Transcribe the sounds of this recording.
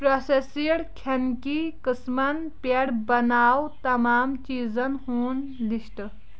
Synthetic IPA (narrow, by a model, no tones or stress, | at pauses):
pɾosesiɽkʰenkikɨsmɐnpeɽbɐnaːwt̪ɐmaːmt͡ʃiːzənɦuːnlisʈ